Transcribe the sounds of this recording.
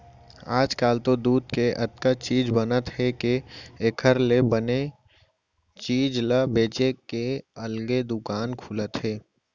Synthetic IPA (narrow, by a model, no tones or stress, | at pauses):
aːd͡ʒkaːlt̪od̪uːd̪keʔɐt̪kat͡ʃiːd͡ʒbənət̪ɦɛkeeːkʰəɾlebəne | t͡ʃiːd͡ʒləbeːt͡ʃekeɐlɡed̪ʊkaːnkʰulət̪ɦɛː